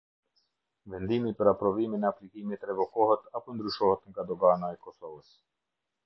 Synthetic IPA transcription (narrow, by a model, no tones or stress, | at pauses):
vɛnd̪imipəɾapɾɔviminɛaplikimit̪ɾɛvɔkɔhɛt̪apɔnd̪ɾyʃɔhɛt̪ŋɡad̪ɔɡanaɛkɔsɔvəs